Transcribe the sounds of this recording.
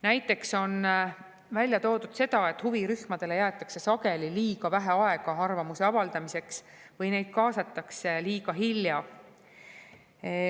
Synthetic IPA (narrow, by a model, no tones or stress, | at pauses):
næjt̪ːˑe̞kso̞n | vælʲjɑt̪o̞ːd̪ud̪̥se̞d̪̥ɑe̞t̪ːˑhuviɾyhmɑd̪̥e̞le̞jæːt̪ːˑɑkse̞sɑke̞liliːɡ̥ɑvæɦeɑe̞ɡ̥ɑɑrvɑmuse̞ɑvɑld̪̥ɑmise̞ks | vɤjne̞jd̪̥̚kɑːsɑt̪ːˑɑkseliːɡ̥ɑɦilːjɑ